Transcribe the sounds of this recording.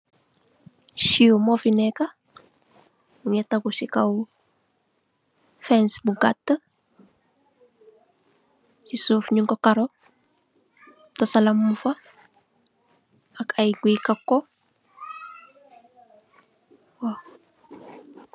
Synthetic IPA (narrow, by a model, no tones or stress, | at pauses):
ʃiumɔfinɛka | uŋɛtakuʃikaw | fɛnsbuɡatːə | t͡ʃisufɲiŋkɔkaɾɔ | tasalamːufa | akajɡikakːɔ | wa